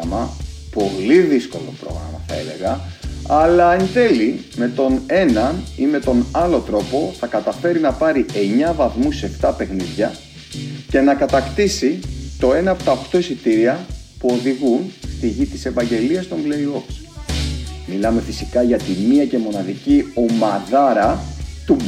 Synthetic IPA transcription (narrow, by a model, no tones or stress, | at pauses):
ɐmɐpo̞liðisko̞̰lo̞̰pɾo̞̰ɣɾɐ̰mɐθɐe̞̰le̞̰ɣɐɐlɐːnde̞li | me̞t̪o̞ne̞nɐnime̞t̪o̞nɐlo̞t̪ɾo̞po̞θɐkɐt̪ɐfe̞ɾinɐpɐɾiʔe̞ɲɐvɐθmuse̞ft̪ɐpe̞xniðʝɐ | ce̞nɐkɐt̪ɐkt̪isit̪o̞e̞nɐːpo̞̥t̪ɐoxt̪o̞isit̪iɾiɐpuo̞ðiɣunst̪iʝit̪i̥se̞pɐɲɟe̞liɐst̪o̞ŋɡleioks | milɐme̞fisikɐʝɐt̪imiɐce̞mo̞nɐðicio̞mɐðɐɾɐt̪u